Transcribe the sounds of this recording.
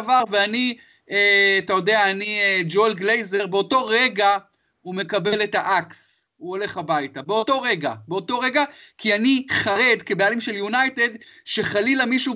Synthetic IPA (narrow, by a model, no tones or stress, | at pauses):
vaʁveani | eatajo̞de̞aːnied͡ʒolɡlejze̞ʁbeo̞to̞ʁe̞ɡa | ume̞kabe̞le̞taʔaks | uo̞le̞χabajtabe̞o̞to̞ʁe̞ɡa̰beo̞to̞ʁe̞ɡakianiχaʁe̞d̪ke̞bealimʃe̞ljunajte̞d̪ʃe̞χalilamiʃu